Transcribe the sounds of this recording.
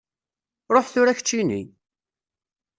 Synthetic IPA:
ɾˤoħθʊɾæçət͡ʃːinḭ

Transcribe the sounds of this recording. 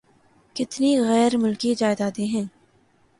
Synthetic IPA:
kɪt̪niɣɛːɾmʊlkid͡ʒaːɪzaːt̪eɦɛ̃ː

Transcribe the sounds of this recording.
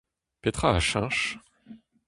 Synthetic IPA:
pet̪χaaʃɛ̃ʃ

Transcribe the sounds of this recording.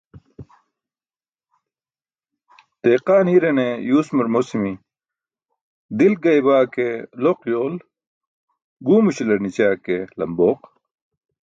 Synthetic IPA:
t̪eːqaːnhiɾenejuːsmɐɾmoːsimi | d̪ilɡɐibaːkeloqjoːl | ɡuːmuɕilɐɾnit͡ɕaːkelɐmboːq

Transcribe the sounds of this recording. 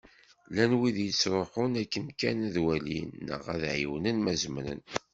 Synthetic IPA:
lænwiðjət͡sːɾˤoħʊnækːənkænðwælinːə̰ʁæðʕiwnənmæzmɾə̰n

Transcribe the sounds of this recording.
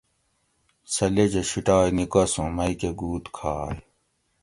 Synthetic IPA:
sɐled͡ʑeɕiʈaːjnikɐsũmɐikeɡuːt̪kʰaːj

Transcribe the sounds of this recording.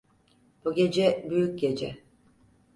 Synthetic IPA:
b̥uɟʲed͡ʒɛbyjyc̚ɟed͡ʒɛ

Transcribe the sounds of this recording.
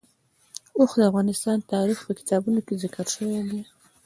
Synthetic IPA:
oxd̪əafɣɑnɪst̪ɑnt̪ɑɾixpəkɪ̥t̪ɑbunokezɪkaɾʃəwed̪i

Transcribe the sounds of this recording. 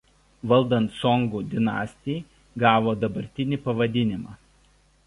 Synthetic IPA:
ʋɐlˠd̪ɐ̃nt̪sɔŋɡuːd̪ʲɪnɑ̰ːsʲt̪ʲɪː | ɡɑːʋoːd̪ɐbɐɾʲt̪ʲɪnʲɪˑpɐʋɐd̪ʲɪnʲɪmɑː

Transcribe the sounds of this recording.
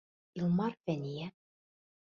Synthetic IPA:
ilˠmɑɾfænʲijæ

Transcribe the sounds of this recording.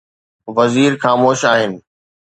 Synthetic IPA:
ʋɐziːɾxaːmoːʃaːɦɪnɪ̆

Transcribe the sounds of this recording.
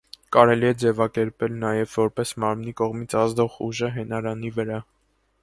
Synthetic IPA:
kɑɾɛliɛd͡zɛvɑkɛɾpɛlnɑjɛvːɔɾpɛsmɑɾmnikɔʁmit͡sʰɑzd̪ɔʁuʒəɦɛnɑɾɑnivəɾɑ

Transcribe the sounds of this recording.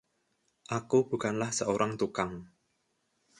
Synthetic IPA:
ʔakub̥ṳkanlahsəoɾaŋt̪ukaŋ

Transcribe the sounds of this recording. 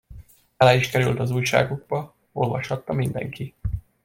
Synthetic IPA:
ɒlaːiʃkɛɾylt̪ɒzuːjʃa̰ːɡuɡ̚bɒ | o̞lvɒʃhɒt̪ːɒmind̪ɛ̰ŋkʰi

